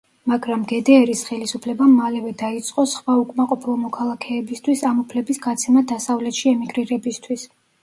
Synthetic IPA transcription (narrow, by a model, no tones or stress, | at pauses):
maɡɾamɡɛd̪ɛːɾisχɛlisupʰlɛbamalɛvɛd̪ait̪sʼqʼɔsχwaukʼmaqʼɔpʰilˠɔmɔkʰalˠakʰɛːbist̪ʰwisamupʰlɛbisɡat̪sʰɛmad̪asavlɛt̪ʃiɛmiɡɾiɾɛbist̪ʰwis